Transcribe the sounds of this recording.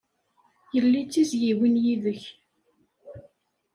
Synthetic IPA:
jəlːit͡sːisjiwinjiðəç

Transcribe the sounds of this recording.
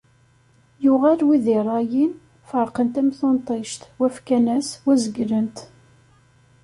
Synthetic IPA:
jʊʁælwiðɪrˤɑjin | fəɾˤqənt̪æmθont̪ˤeʃt̪wæfkænæswæzəɡɾənt̪

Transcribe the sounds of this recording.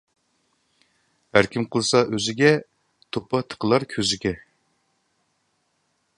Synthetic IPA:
hæɾkʲimqʰəlˠɨsɑʔøzɪɡʲɛ | t̪ʰopʰɑt̪ʰə̥qʰəlˠɑɾkʲʰøzɪɡʲɛ

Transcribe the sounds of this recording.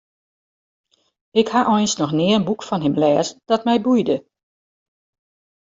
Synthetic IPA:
ɪkhaʔɔjnsnɔxnɪəənbukfɔnɦɪmlɛːzd̥ɔtmɛjbujdə

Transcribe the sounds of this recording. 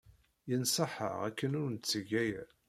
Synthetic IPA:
jənsˤəħə̰ʁæ̰kːənʊɾnt͡sːəʝæjæ̰

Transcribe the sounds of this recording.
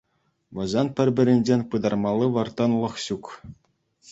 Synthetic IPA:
ʋɤ̆zɑnpʲɘ̆rʲbʲɘ̆ɾʲɘ̆nʲd͡ʑenʲpɯd̪ɑrmɑlˠːɯʋɤ̆rt̪ɑnlˠɤ̆χɕuk

